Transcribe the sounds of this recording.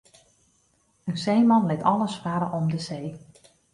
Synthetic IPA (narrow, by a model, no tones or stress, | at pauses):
ənsejmɑnlɪtɑləsfaːɾəʔɔmdəzej